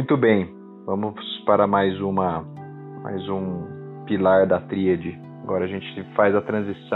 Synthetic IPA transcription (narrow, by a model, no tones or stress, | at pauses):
j̃t̪ʊbẽj̃ | vɐ̃mʊspaɾɐmajzũmɐ | ma̰jzũ | pilaɾd̪ɐt̪ɾiɐd͡ʒɪ | aɡɔɾɐʒẽnt͡ʃɪ̥fajzɐt̪ɾɐ̃zisɐ̃